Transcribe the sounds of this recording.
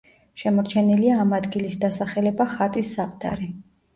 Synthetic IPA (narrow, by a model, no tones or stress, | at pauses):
ʃɛmɔɾt͡ʃʰɛniliaːmad̪ɡilisd̪asaχɛlɛbaχat̪ʼisːapʼt̪ʰa̰ɾi